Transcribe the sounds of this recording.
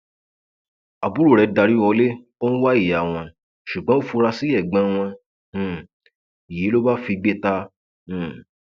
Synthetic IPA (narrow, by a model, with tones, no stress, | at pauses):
a˨bu˨˦ɾu˦˨ɾɛ˧da˧ɾi˦wɔ˧le˦ | o˦ñ̩˦wa˦i˦˨ja˨w̃ɔ̃˧ | ʃu˨ɡ͡bɔ̃˦o˦fu˧ɾa˧si˦ɛ˦˨ɡ͡bã˧˦w̃ɔ̃˧˨ | i˨ji˨˦lo˦ba˦fi˧ɡ͡be˦tã˧˨